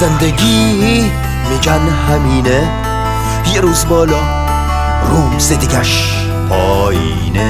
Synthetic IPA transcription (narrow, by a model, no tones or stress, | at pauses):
zend̪eɡiː | med͡ʒan | hæmiːne | jeɾuːzbɒːlɒː | ɾuːzed̪iɡæʃ | pʰɒː | ḭːne